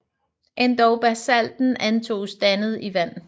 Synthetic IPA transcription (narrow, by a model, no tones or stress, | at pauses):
ʔe̝nd̥ɒʊb̥æsæl̰d̥n̩ænt͡sʰo̝̰ːsd̥ænð̞̩ˠiʋæn̰